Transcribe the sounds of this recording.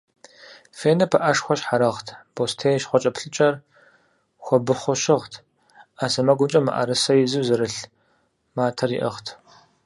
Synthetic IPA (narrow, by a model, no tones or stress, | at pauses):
feːnɐpʰɐʔɐʂxʷɔʃħaɾɐʁtʰb̥oːstʰeːjʃχʷɔt͡ʃʼɐpɬɨt͡ʃʼɐr | xʷɔbɨχʷɔʃɪʁtʰ | aːsɐmɐɡʷʊt͡ʃʼɐma̰ʔɐ̰ɾɨsɐjɪzɨwzɨɾɨɬ | maːtʰɐrḭʔɐ̰ʁtʰ